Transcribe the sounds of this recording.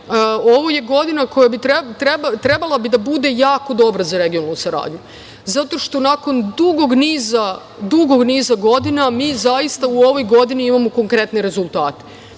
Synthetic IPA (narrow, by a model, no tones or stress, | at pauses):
o̞ʋoje̞ɡo̞d̪inako̞jabit̪ɾet̪ɾebat̪ɾe̞balˠabid̪abud̪e̞jaːko̞d̪o̞bɾazaɾe̞ɡijonalˠnusaɾa̰ːd̪ɲu | zat̪o̞ʃt̪o̞nako̞nd̪uɡo̞ɡniːza | d̪uɡoɡniːzaɡo̞d̪inamiːzajist̪auo̞ʋo̞jɡo̞d̪iniimamo̞ko̞ŋkɾe̞t̪ne̞ɾe̞zulˠt̪aːt̪e